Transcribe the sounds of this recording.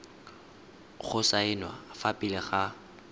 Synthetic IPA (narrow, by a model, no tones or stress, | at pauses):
k͡xʰʊsaɪnwa̰fapʼɪlɪχa